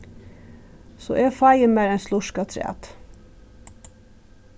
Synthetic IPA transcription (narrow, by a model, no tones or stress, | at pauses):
so̰ːʔeːfɑjəmæːɾɛnslʊʃkɑt̪ʰɾɪ̰ɑ̰ːt̪